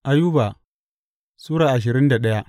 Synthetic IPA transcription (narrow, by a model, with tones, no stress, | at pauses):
ʔa˨ju˦ba˨ | suː˦ɾaː˨ʔa˨ʃ̬ɪ˨ɾɪ˦nda˨ɗɐ˦ja˦